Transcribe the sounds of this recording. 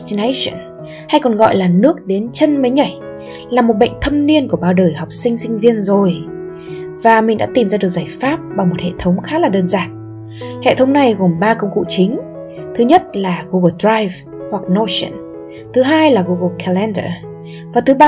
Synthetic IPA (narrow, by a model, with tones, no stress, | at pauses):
t̪i˧ne˧sə̰˧˨n | ha˧jkɔ˨˩nɣɔ̰˧˨jlaː˨˩nɨ˦˥ək̚ɗe˨˦nt͡ɕə˧nmə˨˦jɲa˧˩j | laː˨˩mo˨˩t̚ɓə̰˧˨jŋ̟t̪ʰə˧mni˧ənku˧˩əɓaː˧˩wɗəː˨˩jha˨˩wk͡p̚sï˧ŋ̟sï˧ŋ̟vi˧ənzo˨˩j | vaː˨˩mi˨˩ŋ̟ɗa̰ː˧˥t̪i˨˩mzaː˧ɨ˨˩ək̚zaː˧˩jfaː˦˥p̚ɓa˨˩wmo˨˩t̚hḛ˧˨t̪ʰə˨˦wŋ͡mxaː˦˥laː˨˩ɗəː˧nzaː˨˩n̚ | hḛ˧˨t̪ʰə˨˦wŋ͡mna˨˩jɣo˨˩mɓaː˧kə˧wŋ͡mkṵ˧˨t͡ɕï˨˦ŋ̟ | t̪ʰɨ˨˦ɲə˦˥t̚laː˨˩ɣu˧ɣə˧dɹaː˧jv | hwa˨˩k̚no˧sə̰˧˨n | t̪ʰɨ˨˦ɦaː˧jlaː˨˩ɣu˧ɣə˧kʰɛ˧lɛ˧ndə̰˧˩ | vaː˨˩t̪ʰɨ˨˦ɓa˧